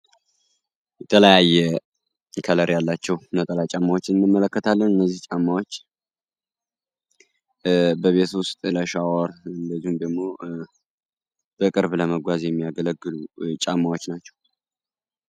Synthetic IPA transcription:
jɛt̪ʰələjajːɛ | kʰələɾjalːat͡ʃːɛwnət̪ʼəlajt͡ʃʼamːawot͡ʃːɪnɨnːɨmːələkːət̪ʰalːənɨnːəzːiht͡ʃʼamːawo̞t͡ʃː | bəβe̞t̪ʊst̪ʼləʃawɔɾɨnd̪əzːihumd̪əɡmo̞ | b̥əkʼɨɾbləməɡʷazjɛmːijaɡələɡːɨlut͡ʃʼamːawot͡ʃːnat͡ʃːɛ̥w

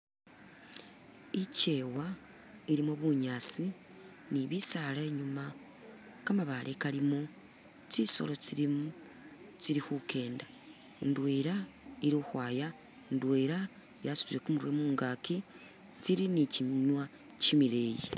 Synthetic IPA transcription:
ice̞ːwa | iɾimoβuɲaːt͡si | niβisaleɲuma | kamaβalʔekalimo | t͡ʃiso̞̰lo̞t͡siɾi | t͡ʃiɾixukʰe̞ːnda | ndweːɾa | iɾuxwaːja | ndweɾa | jasu̥ɾiɾe̞kumuɾuwemuːŋɡaːki | t͡siɾiniciɲwa | cimiɾeːji

